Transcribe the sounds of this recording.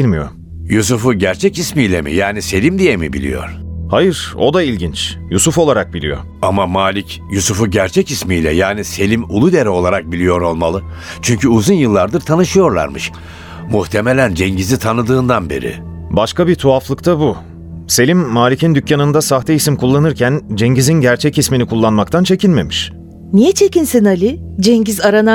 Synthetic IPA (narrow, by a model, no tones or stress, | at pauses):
ilʲmijo̰ | jusufuɟæɾt͡ʃʰɛcismiːlʲɛmḭjaːnise̞lʲimd̪ijemḭbḭlʲḭjo̞̰ɾ̥hajɯɾo̞̰d̪ailʲɟint͡ʃjusufo̞lˠaɾak̚bilʲḭjo̞̰ | amamaːlʲic | jusufuɟæɾt͡ʃʰɛcismiːlʲɛ̰jaːnise̞lʲimulˠud̪e̞ɾɛo̞lˠaɾak̚bilʲijo̞ɾo̞lˠmalˠɯ | t͡ʃʰyɲcʰyuzunjɯlˠːaɾd̪ɯɾt̪ʰanɯʃɯjo̞ɾlˠa̰ɾmɯʃ | muht̪ʰemelʲænd͡ʒɛɲɟizit̪ʰanɯd̪ɯːnd̪anbe̞̰ɾḭ | baʃkabit̪ʰuaflˠɯkt̪ʰabu | se̞lʲimːaːlʲicʰind̪ycːanɯnd̪asaxt̪ʰɛisimkʰulˠːanɯɾcʰænd͡ʒeɲɟizinɟæɾt͡ʃʰɛcisminikʰulˠːanmakt̪ʰant͡ʃʰe̞cʰilʲme̞miʃ | nijɛt͡ʃʰecinsinalʲid͡ʒɛɲɟizaɾana